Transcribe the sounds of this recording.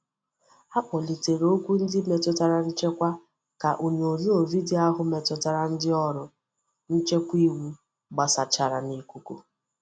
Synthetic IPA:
a˦k͡pɔ˨li˨te˨ɾo˦kʷu˦n̩˦dɪ˦me˨tʊ˦ta˨ɾa˨n̩˦t͡ʃe˦kʷa˦ | ka˨ʔo˨ɲ˨o˨zu˦o˨vi˦di˦a˦ɦʊ˦me˨tʊ˨ta˨ɾa˨n̩˦dɪ˦ɔ˦ɾʊ˨ | n̩˦t͡ʃe˦kʷi˦wu˦ | ɡ͡ba˨sa˨t͡ʃa˨ɾa˨ni˦kʷu˦ko˨

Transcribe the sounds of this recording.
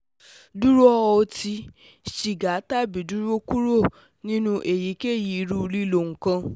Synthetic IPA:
du˦ɾo˦ɔ˦˧o˧ti˧ | ʃi˨ɡa˨˦ta˦˨bi˨du˦ɾo˦ku˦ɾo˦˨ | nĩ˦nũ˦ʔe˨ji˨˦ke˦˨ji˨˧˦ɾu˦˧ɾi˦lo˨ŋ̩˨kã˦

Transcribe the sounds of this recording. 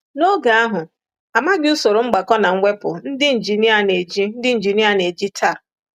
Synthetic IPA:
no˦ɡa˨˦a˦ɦʊ˨ | a˨ma˦ɡɪ˦u˦so˨ɾo˨ŋ͡m̩˦ɡ͡ba˨kɔ˦na˨ŋ̩˦ŋʷe˦pʊ˨n̩˦dɪ˦n̩˨d͡ʒi˨nɪ˦a˨ne˨d͡ʒi˦n̩˦dɪ˦n̩˨d͡ʒi˨nɪ˦a˨ne˨d͡ʒi˦tʰa˦˨

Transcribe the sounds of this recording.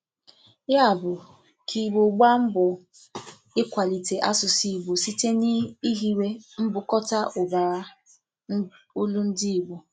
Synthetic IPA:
ja˦˨bʊ˨ | kʰi˨ɡ͡bo˨ɡ͡ba˦m̩˦bʊ˨ | ɪ˦kʷa˨li˨te˨ʔa˦sʊ˨si˨i˨ɡ͡bo˨si˦te˦ni˦i˦ɦi˦we˦m̩˦bʊ˨kɔ˦ta˦ʔʊ˨ba˨a˦ | o˦lu˦n̩˦di˦i˨ɡ͡bo˨

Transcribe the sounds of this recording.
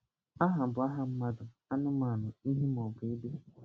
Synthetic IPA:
a˦ɦa˨m̩˨bʊ˨˦a˦ɦa˦m̩˦ma˦dʊ˨ | a˦nʊ˦ma˨nʊ˨i˦ɦi˦m˨ɔ˨bʊ˨i˦de˦

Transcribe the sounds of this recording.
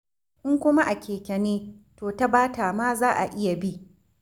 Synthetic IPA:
ʔɪ˦ŋkʷʊ˦ma˦ʔa˨kʲeː˨kʲɐ˨neː˦toː˨ta˦baː˦taː˨maː˦zaː˦ʔa˨ʔɪ˦ja˨bi˦ʔ

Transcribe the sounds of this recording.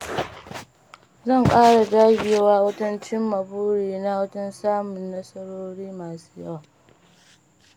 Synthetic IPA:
zɐ˦˨ŋkʼaː˦ɽa˨daː˦ɡʲɪ˨˦waː˦wɐ˦tɐ˦nt͡ʃɪ˦mːɐ˨buː˦ɽiː˨na˦wɐ˦tɐ˦nsaː˦mʊ˨nːɐ˦sɐ˦ɽoː˦ɽiː˦maː˨su̥ː˦jɐ̰˦waː˨

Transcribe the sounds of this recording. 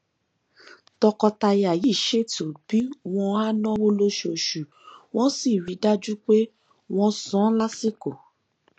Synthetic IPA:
tɔ˧kɔ˧ta˧ja˨ji˨˦˨ʃe˦˨to˨b̥i˨˦w̃ɔ̃˧a˦nɔ̃˦wo˦lo˧ʃo˨ʃu˨ | w̃ɔ̃˦si˦˨ɾi˨˦da˦d͡ʒu˦k͡pe˦ | w̃ɔ̃˧sɔ̃˨˦la˦si˦ko˨

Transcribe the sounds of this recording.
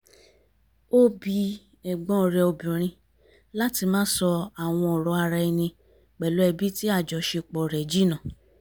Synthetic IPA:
o˦bi˧ | ɛ˨ɡ͡bɔ̃˨˦˨ɾɛ˧o˧bĩ˨ɾ̃ĩ˧ | la˦ti˧mãː˦sɔ˧a˨w̃ɔ̃˧ɔ˨ɾɔ˧a˧ɾa˧i˧nĩ˧ | k͡pɛ˨lo˨˦ɛ˧bi˦ti˦a˦˨d͡ʒɔ˨ʃe˧k͡pɔ˨ɾɛ˨d͡ʒi˦nã˨

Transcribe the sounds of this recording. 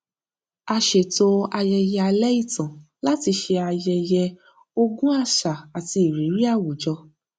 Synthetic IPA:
a˧ʃe˨to˧a˧jɛ˧jɛ˧a˧lɛ˦i˦˨tã˨ | la˦ti˧ʃe˧a˧jɛ˧jɛ˧ | o˧ɡũ˦a˦˨ʃa˨a˨ti˧i˨ɾi˨˦ɾi˦a˦˨wu˨d͡ʒɔ˧

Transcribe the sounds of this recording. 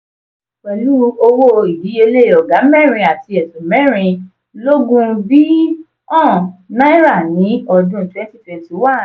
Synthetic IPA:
k͡pɛ˨lu˦o˧wo˦˧i˨bi˨˦e˧le˦˨ɔ˨ɡa˨˦mɛ˦˨ɾ̃ĩ˧a˨ti˧ɛ˨sũ˨mɛ̃˦˨ɾ̃ĩ˧ | lo˦ɡũ˦bi˦ | ɔ̃˦˨nã˦i˦ɾa˦˨nĩ˨˦ɔ˧dũ˦tɛ˦ti˦fɛ˧ti˨˦wa˦˨

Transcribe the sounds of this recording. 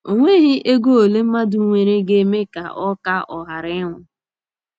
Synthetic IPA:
o˨ŋʷe˦ɦi˦ʔe˦ɡo˦o˨le˦m̩˦ma˦du˦ŋʷe˨ɾe˦ɡe˦me˦ka̰˨ɔ˦ka˦ɔ˨ɦa˨ɾɪ˦ɪ˦ŋʷʊ˨

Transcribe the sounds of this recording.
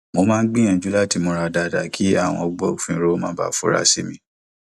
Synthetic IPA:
mo˧mãː˦n̩˦ɡ͡bĩ˦ã˨d͡ʒu˨˦la˦ti˦˧˨mo˧ɾa˧da˧˨da˨kʰi˦a̰˦˨w̃ɔ̃˧ɔ˧ɡ͡bɔ˦o˨fĩ˧˨˦ɾo˦mã˦ba̰˦fṵ˦ɾa̰˧˦sḭ˦mĩ˧˦

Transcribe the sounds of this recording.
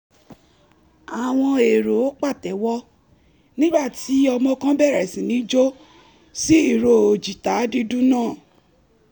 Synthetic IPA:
a˨w̃ɔ̃˧e˨ɾo˨o˦k͡pa˦˨tɛ˨˦wɔ˦ | nĩ˦ɡ͡ba˦˨ti˨˦ɔ˧mɔ̃˧kã˦bɛ˦˨ɾɛ˨sĩ˨nĩ˨˦d͡ʒo˦ | si˦i˦˨ɾo˨o˨d͡ʒi˨ta˨˦di˧du˦nãː˦˨

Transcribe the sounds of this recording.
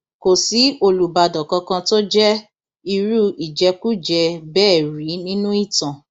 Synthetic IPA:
ko˨si˨˦o˧lu˨ba˧˨dɔ˨kã˧kã˧to˦d͡ʒɛ˦ | i˧ɾu˦i˨d͡ʒɛ˧ku˦d͡ʒɛ˧bɛː˦˨ɾi˨˦nĩ˦nũ˦i˦˨tã˨

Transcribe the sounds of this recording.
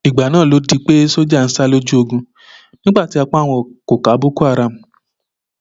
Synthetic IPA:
i˨ɡ͡ba˨nãː˦˨lo˨˦di˧k͡pe˦so˦d͡ʒa˦˨n̩˨˦sa˦lo˦d͡ʒu˦o˧ɡũ˧ | nĩ˦ɡ͡ba˦˨ti˨˦a˧k͡pɔ̃˦a˦˨w̃ɔ̃˧˨ko˨ka˨˦bo˦ku˦a˦˨ɾa˨m̩˨

